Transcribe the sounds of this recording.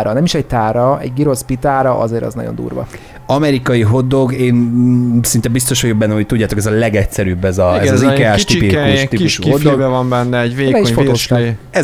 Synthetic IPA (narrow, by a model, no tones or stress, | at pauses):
ɾɒnɛmiʃɛɟt̪aːɾɒɛɟɡiɾo̞spit̪aːɾɒʔɒ̰zeːɾɛ̰znɒ̰ɟond̪ṵːrʋɒ̰ | ɒmɛɾikɒjiɦo̞d̪ːo̞ɡeːnsint̪ɛbist̪o̞ʃhoɟjobɛnːɛmɦo̞c̚t̪uɟːaːt̪o̞kɛzɒlɛɡɛtsɛɾyːbːɛzɒɛzzikaːʃt̪ipikt̪iuʃod̪oɡɛvɒmbɛnːɛɛɟveːbɛiʃfot̪oːʃɛ